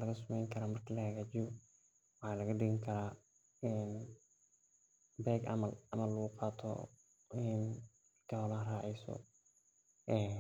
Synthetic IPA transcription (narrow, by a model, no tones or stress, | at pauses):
lɐɣɐsʊmɛjŋkʰɐɾaːmɐrkʰɐlɐhɐɣaːt͡ʃɪjɔ | wɑħɑːlɐɣɐɖɪɣɪŋkʰɐɾaː | ɛn | bɛːɡʔɐ̰mɐlɐmɐllɐɣʊqɑːt̪ʰɔ̰ | ɪn | kʰɐhɔlaːraːʕɛjsɔ̰ | ʔɛː